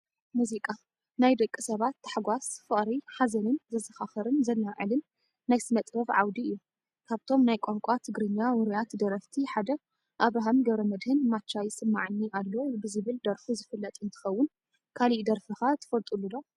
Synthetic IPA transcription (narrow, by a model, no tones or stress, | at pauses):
muzikʼa | najd̪ɐkʼːisɐβat̪ːḁħɡʷasfɨχʼɾiħazɐnɨnzɐzɐxaxɐɾɨnzɐlːaʕɨ̰lɨnː | ajsɨmɐt̪ʼbɐβʕa̰wd̪iɨjːu | kʰaβt̪ʰo̞mnajkʷʼoŋkʷʼat̪ʰɨɡɾɨɲːawɨɾijat̪d̪ɐɾɐft̪ʰiħad̪ɐ | ʔaβɾaɦamɡɐβɾɐmɐd̪hɨnmat͡ʃːajsɨmːaʕnːiʔalːo̞bɨzɨβɨld̪ɐɾfuzɨfɨlːɐt̪ʼɨnt̪ʰɨ̥xɐwːʊn | kʰaliʔd̪ɐɾfɨxat̪ʰɨ̥fɐlt̪ʼulːud̪o